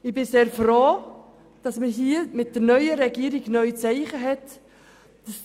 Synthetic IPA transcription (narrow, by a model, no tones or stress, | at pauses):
ɪbɪseːɾfɾoː | d̥ɑsməɦiːəmɪt̚d̥əɾnœʏəɾɛɡiːəɾiɡnœʏt͡sɛɪχəɦɛt | d̥əs